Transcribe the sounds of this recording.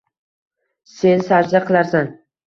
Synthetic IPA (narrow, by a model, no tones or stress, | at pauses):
se̞nsaɾzaqʰɨlˠaɾsan